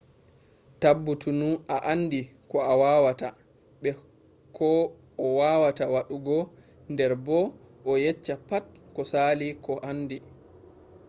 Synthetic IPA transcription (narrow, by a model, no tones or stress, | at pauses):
tabːutunuʔaʔandikɔawawata | ɓɛ | kʰɔ | ɔwawatawaɗuɡɔ | ndɛɾbɔ | ɔjɛt͡ʃːapatkɔsaːlikɔʔanːdi